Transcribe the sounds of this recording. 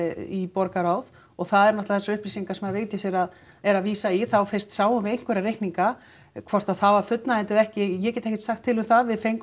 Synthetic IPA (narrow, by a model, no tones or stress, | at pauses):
ipɔɾkaɾawð | ɔɣθaðɛɾnat̪laθɛsaʏhpliːsiŋkasɛmaðveːjt̪jɪsɛɾað | ɛɾaðviːsaiθawfɪr̥st̪saːwmʏvejŋ̥kvʏɾaɾejhkniŋka | kʰvɔr̥t̪aðθavaɾfʏt̪naɛnt̪ɪðɛhcɪjɛcɛt̪ehcɪ̥t̪saxt̪ʰːɪlʏmθaðvɪðfejŋk